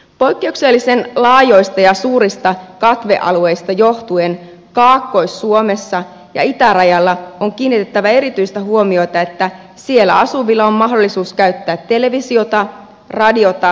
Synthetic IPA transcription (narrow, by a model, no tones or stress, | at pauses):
po̞jkːe̞ukselːisenlɑːjo̞ist̪ɑjɑsuːɾist̪ɑkɑt̪ʋe̞̰ʔɑ̰lue̞jst̪ɑjoht̪uen | kɑːkːo̞isːuomesːɑ | jɑ̰it̪ærɑjɑlːɑoŋkiːnːit̪e̞t̪ːæʋæe̞ɾit̪yist̪æɦuo̞mio̞jt̪ɑe̞t̪ːæ | sie̞lːæ̰ɑsuʋilːɑommɑɦdolːˑisuːskæyt̪ːæːt̪ːe̞le̞ʋisio̞t̪ɑ | rɑdio̞t̪ɑ